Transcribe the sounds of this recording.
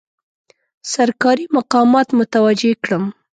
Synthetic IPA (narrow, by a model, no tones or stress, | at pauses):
saɾkɑɾimaqɑmɑt̪mʊt̪awad͡ʒekɽəm